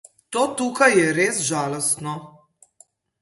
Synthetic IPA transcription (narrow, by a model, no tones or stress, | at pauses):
t̪oːt̪uːkajɛɾeːzʒaːlost̪no